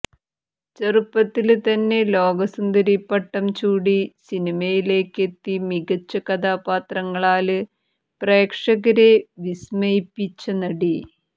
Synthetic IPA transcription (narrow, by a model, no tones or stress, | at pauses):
t͡ɕɐrupːɐt̪ːilt̪ɐnːe̞lo̞ːɡɐsund̪ɐɾipːɐʈːɐmt͡ɕuːɽisinimɐjile̞ːkːe̞t̪ːimiɡɐt͡ɕːɐkɐd̪aːpaːt̪rɐŋːɐɭaːlɨ | pre̞ːkʂɐɣɐɾeʋismɐjipːit͡ɕːɐnɐɽi